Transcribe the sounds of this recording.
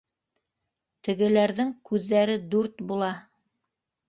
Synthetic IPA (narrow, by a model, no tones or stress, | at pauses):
t̪ɘ̆ɡɘ̆læɾðɘŋkʉðːæɾɘd̪uɾt̪bulˠɑ